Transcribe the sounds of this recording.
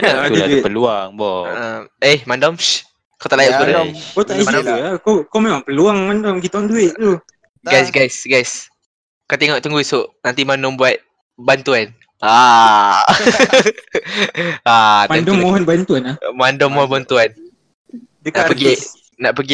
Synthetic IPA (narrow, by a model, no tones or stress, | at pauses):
apəluaŋbɔʔəehmandɔms | kat̪aʔlajaʔsəbuɾəkat̪aisat̪uakakawmemãŋpəluaŋmandɔmɡit̪aɔnduɪʔt̪u | ɡɡajsɡajsɡajs | kawt̪eŋɔʔt̪uŋɡuisoʔnãnt̪imanɔmbuat̪̚ | bant̪uan | a | amaandɔmːoɦɔnbant̪uanamandɔmːɔɦɔnbant̪uan | dnaʔpəɡi | naʔpəɡi